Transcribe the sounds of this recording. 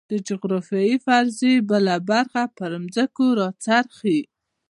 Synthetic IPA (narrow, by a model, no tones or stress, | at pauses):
d̪̥əd͡ʒʊɣɾɑfjɑifaɾzebəlabaɾxapəɾəmzəkoɾɑt͡saɾxi